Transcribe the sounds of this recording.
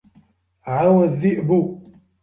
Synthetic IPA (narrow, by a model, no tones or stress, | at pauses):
ʕawəðiʔbu